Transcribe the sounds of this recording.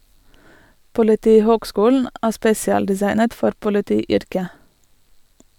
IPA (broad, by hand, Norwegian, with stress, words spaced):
pʊlɪˈtiːhoːɡˌskuːln̩ ˈæː ˈspeːsɪɑldɪˌsɑɪnət ˈfɔɾ pʊlɪˈtiːˌʏɾkə